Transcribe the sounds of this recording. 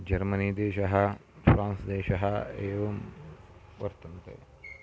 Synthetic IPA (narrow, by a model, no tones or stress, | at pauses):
d͡ʑɐɾməniːd̪eːʃɐɦɐ | fɾãːnsd̪eːʃɐɦaeːʋɐm | ʋəɾt̪ənt̪ḛ